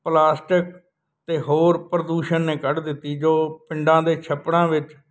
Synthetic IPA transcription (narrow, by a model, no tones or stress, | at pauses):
plaːsʈɪk | t̪eːɦoːɾpɾəd̪uːʃənːeːkəɽd̪ɪt̪ːiːd͡ʒoːpɪɳɖãːd̪eːt͡ʃʰəpːɽãːʋɪt͡ʃ